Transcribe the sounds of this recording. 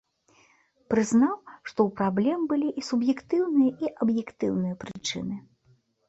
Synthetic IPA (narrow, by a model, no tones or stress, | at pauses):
pɾɨznawʂt̪ɔwpɾablʲɛmbɨlʲiʔisubjɛkt̪ɨwnɨjɐʔiʔɐbjɛkt̪ɨwnɨjɐpɾɨt͡ʂɨ̰nɨ